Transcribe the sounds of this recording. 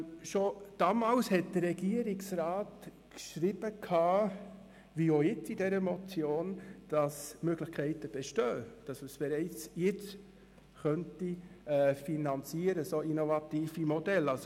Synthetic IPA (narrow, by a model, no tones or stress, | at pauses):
ʃod̥ɑːmɑːlshɛt̚d̥ərːɛɡ̥iːəɾɪksɾaːt | kʃɾib̥əkʰɑː | ʋiːojɪt͡sidɛɾəmɔt͡sjoːnd̥ɑsmøɡlɪχkʰɛɪtəb̥ɛʃtøːd̥ɑsməsb̥ɛɾɛɪt͡sjɪt͡s | χœntiɛfinɑnt͡siːəɾəsoinovɑtiːfimodɛlɑlso